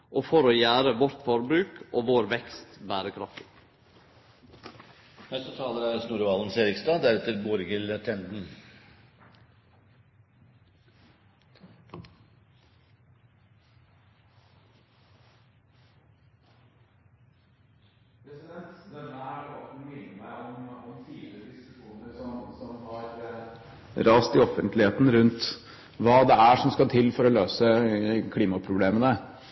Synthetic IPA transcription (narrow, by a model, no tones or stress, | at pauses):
ʔoːfɔɾoːjæːɾəʋɔɾt̪fɔɾbɾʉːkʔoːʋoːɾʋɛkst̪bæːɾəkʰɾɑft̪ | nɛst̪ət̪ʰɑːləɾæɾsnuːɾʋɑːlən̩seːɾɪkst̪ɑːd̪æɾɛt̪əɾboːɾɪɡɪlət̪ʰɛnd̪n̩ | pʰɾɛsɪd̪ɛnt̪d̪ɛnəæɖɔt̪nmɪnːəmæɪɔmɔmt̪ʰiːlɪɾəd̪ɪskʉʂuːnəɾsɔmsɔmhɑɾ | ɾɑːst̪ɪɔfənt̪lɪheːt̪n̩ɾʉnt̪ | ʋɑːd̪ɛæʂɔmskɑt̪ʰɪlːfɔɾɔløːsəkʰliːmɑpʰɾʊbleːmənə